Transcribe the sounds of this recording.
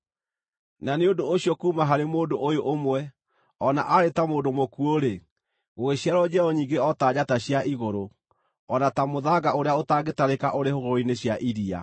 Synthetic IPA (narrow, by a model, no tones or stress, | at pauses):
naneodoːɕiɔkuːmaɦaɾemoːdoʔojoʔomwɛ | ɔna̰ʔaɾetamoːdomokuoɾe | ɣweɕjaɾɔd͡ʑɛɔɲiːŋɡeɔtad͡ʑataɕjaiɣoɾo | ɔnatamoðaɡaoɾeaotaːɡetaɾekaʔoɾehoɣoɾineɕjaʔiɾia̰